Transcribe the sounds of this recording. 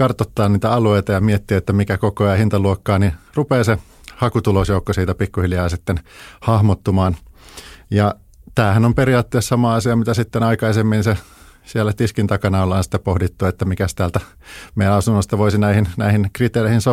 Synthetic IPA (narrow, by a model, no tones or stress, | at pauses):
kɑrt̪ot̪ːɑːnniːt̪æɑlueit̪ɑjɑmiet̪ːiæet̪ːæmikækokoɑhint̪ɑluokːɑːnirupeːse | hɑkut̪ulosjoukːosiːt̪æpikːuhiljɑːsit̪ːenhɑhmot̪ːumɑːn | jɑ | t̪æːhænomperiɑːt̪ːeːssɑmɑːɑsiɑmit̪æsit̪ːenɑikɑisemːinse | sielːˑæt̪iskint̪ɑkɑnɑolːɑːnsi̥t̪ːepohdit̪ːuet̪ːæmikæst̪æːlt̪æ | mejænɑsunːost̪ɑʋoisinæihinnæ̰ihinkrit̪eːreihinso